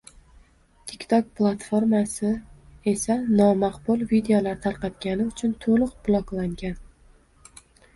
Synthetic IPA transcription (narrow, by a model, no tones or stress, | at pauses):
t̪ʲʰɪkʲt̪ʰɒk̚plˠat̪foɾmasɪe̞sanɒmaqbʊlˠvid̪e̞olaɾt̪ʰaɾqɑt̪ɡʲanɪʊt͡ʃʰʊnt̪ʰolˠʊqbʊlˠɒklˠaŋɡʲan